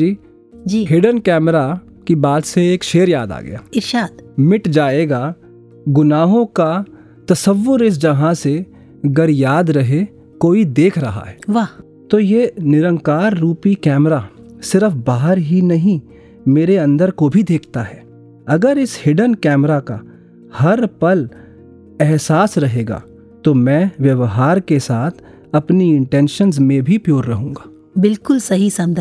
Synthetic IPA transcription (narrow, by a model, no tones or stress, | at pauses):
d͡ʒiː | d͡ʒiːɦɪɖənkɛːmɾakibaːd̪seeːkʃeːəɾja̰ːd̪a̰ːɡɐ̰ja̰ːɪɾʃaːd̪mɪʈd͡ʒaːeːɡa | ɡʊnaːɦõka | t̪ɐsəʋːʊɾɪs̬d͡ʒɐɦãse | ɡəɾjaːd̪ɾɐɦe | koːid̪eːkʰɾɐɦa̰ɦɛːʋa | t̪oːjenɪɾə̃ŋkaːɾːuːpikɛːmɾa | sɪɾəfbaːɦəɾɦinɐɦĩ | meːɾeɐ̃nd̪əɾkobʱid̪eːkʰt̪aɦɛː | ɐɡəɾɪshɪɖənkɛːmɾaka | hɐɾpɐl | ɛɦsaːsɾɐɦeːɡa̰ː | t̪omɛ̃ːʋjɐʋɦaːɾkesaːt̪ʰ | ɐpniɪ̃ɳʈɛ̃ːnʃənzmẽbʱipjoːɾːɐɦũːŋɡaː | bɪlkʊlsɐɦisɐ̃nd̪